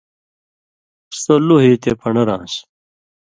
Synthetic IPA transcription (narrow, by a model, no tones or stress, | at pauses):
soluɦit̪epʰɐɳɐɾã̰ːɕ